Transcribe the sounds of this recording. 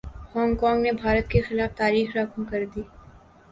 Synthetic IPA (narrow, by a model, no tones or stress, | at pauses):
hɔːŋɡkɔːŋɡnebʱaːɾət̪kexɪlaːft̪aːɾiːxɾakʰmkɐɾd̪iː